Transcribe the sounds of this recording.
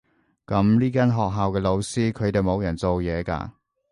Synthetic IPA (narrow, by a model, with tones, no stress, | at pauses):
kɐ˨˧˥mliː˥kaː˥nɦɔː˨k̚ɦaː˨wkɛː˧lo˨˧wsiː˥kʰɵ˨˧ɥt̪e˨jmo˨˧wjɐ˨˩nt͡so˨wjɛː˨˧ka̰ː˧